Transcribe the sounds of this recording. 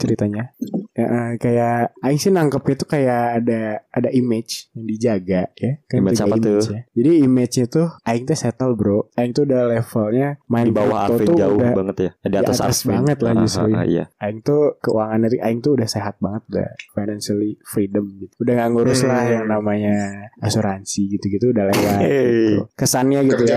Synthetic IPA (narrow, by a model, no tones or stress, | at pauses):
t͡ʃəɾit̪aɲaəʔəkajaʔaɪŋsɪnaŋkəp̚ɲat̪ukajaʔːdaadaʔimɛt͡ʃjaŋdid͡ʒaɡajakanmiɡaimd͡ʒjad͡ʒadiːmet͡ʃɲat̪uaɪŋt̪usɛt̪əlbɾoʔaɪŋt̪uːdalefəlɲamaɪdnbaaot̪ud͡ʒaudahbaŋət̪jadiaiʔ̪at̪assbaŋət̪lahd͡ʒust̪ɾuja̰a̰aɪŋt̪ukəṵaŋanɲat̪uʔaɪŋt̪uːdahseɦat̪̚baŋət̪̚uda̰hfajnansalifɾidəmɡit̪uudahŋaŋɡoɾuslahjaŋnamaɲaasuɾansiɡit̪uɡit̪uːdahlewaɡit̪ṵkəsanɲaɡit̪uja